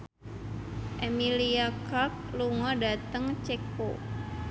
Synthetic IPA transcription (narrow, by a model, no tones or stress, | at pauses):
ʔemiliakak̚luŋɔdat̪əŋt͡ʃeko